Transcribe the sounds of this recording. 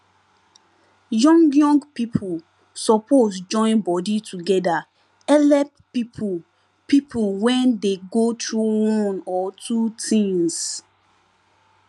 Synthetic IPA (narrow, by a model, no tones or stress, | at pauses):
jɔ̃ŋɡjɔ̃ŋɡpipʰul | sɔposd͡ʒɔ̃ɪ̃nbɔditʰuɡɛda | ɛlɛp | pipʰ | pipʰulwɛ̃ndeɡotʰɹuwɔ̃nɔtʰutʰĩŋs